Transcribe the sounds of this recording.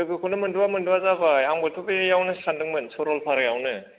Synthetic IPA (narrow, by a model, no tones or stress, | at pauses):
ɯɡɯkʰunɯmɯnduwamɯnduwazabajaŋbɯtʰubejawnɯsandɯŋmɯnsɔɾɔlpʰaɾɯjawnɯ